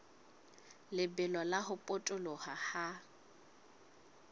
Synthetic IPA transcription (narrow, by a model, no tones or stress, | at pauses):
lɪbɛlɔlaɦʊpʼʊtʼʊlɔhaha